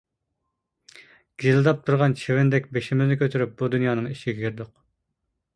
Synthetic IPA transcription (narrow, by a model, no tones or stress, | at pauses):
ɡ̥ʲizlˠd̪ɑp̚t̪ʰuɾʁɑnt͡ʃʰevɪnd̪ɛkʲbeʃɪmɪznɪkʲʰøt̪ʰyɾyp̚bud̪unjɑːnɨŋiʃɪɡʲɛkʲʰyɾd̪ʊq